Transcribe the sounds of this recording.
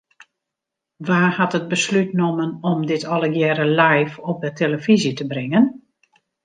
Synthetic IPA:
ʋaːhatət̚bəslytnomənɔmdɪtʰɔlˠəɡjɛɾəlajfɔp̚dəteləfizitəbrɪŋən

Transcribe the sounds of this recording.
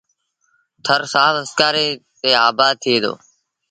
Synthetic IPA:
t̪ʰəɾsaːəskaːɾeːt̪eːaːbaːd̪̚t̪ʰɪeːd̪o̰ː

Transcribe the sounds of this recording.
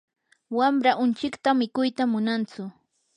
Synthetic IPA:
wamɾaʔʊnt͡ʃɪkt̪amɪkʊjt̪amʊnant͡sʊ

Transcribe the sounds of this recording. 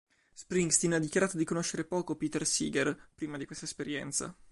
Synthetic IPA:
spɾiŋɡst̪inad̪ːikjaɾaːt̪od̪ikonoʃːeɾepɔːkopiːt̪ersḭːɡerpɾiːmad̪ikwest̪aespeɾjɛ̰nt̪sa̰

